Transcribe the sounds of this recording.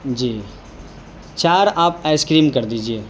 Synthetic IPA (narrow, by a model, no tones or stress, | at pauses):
d͡ʒiː | t͡ʃaːɾaːpɛskɾiːmkɐɾd̪iːd͡ʒieː